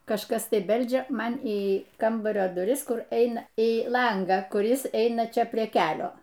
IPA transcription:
kɐʃˈkɐs ˈtɐɪ ˈbʲɛlʲd͡ʒʲɛ ˈmɐn iː ˈkɐmbɐrʲoː dʊˈrʲɪs ˈkʊr ˈɛɪnɐ iː ˈlˠɐŋɡɑː kʊˈrʲɪs ˈtɐɪ ˈɐɪnɐ ˈt͡ʃʲɛ pʲrʲiɛ ˈkʲæːlʲoː

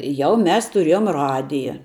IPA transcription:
ˈjɛʊ ˈmʲɛs tʊˈrʲiɛjoːm ˈrɑːdʲɪjɛ

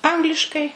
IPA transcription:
ˈɐŋɡlʲɪʃkɐɪ

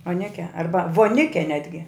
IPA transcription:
oːˈnʲæːkʲɛ ˈɐrbɐ ʋoːˈnʲɪkʲɛ ˈnʲæːdʲɡʲɪ

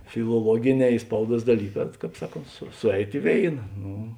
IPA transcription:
fʲɪlˠoːˈlˠuɔɡʲɪˌnʲɛː ɪ ˈspɐʊˌduɔs dɐˈlʲiːˌkɑː ˈkɑːp ˈsɑːˌkoːnt sʊ ˈsʊˌɛɪt ɪ ˈʋʲeːɪnɐ ˈnʊ

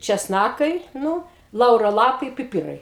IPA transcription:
t͡ʃʲɛsˈnɑːkɐɪ ˈnuː ˈlˠɐʊroː ˈlˠɑːpɐɪ pʲɪˈpʲɪrɐɪ

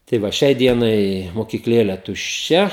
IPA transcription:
tɐɪ ˈʋɐ ˈʃʲɛɪ ˈdʲiɛnɐɪ moːkʲiːkˈlʲeːlʲɛ tʊʃʲˈt͡ʃʲɛ

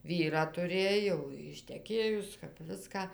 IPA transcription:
ˈʋʲiːrɑː tʊˈrʲeːj jɛʊ ɪʃʲtʲɛˈkʲeːjʊs kɐp ˈʋʲɪskɐ

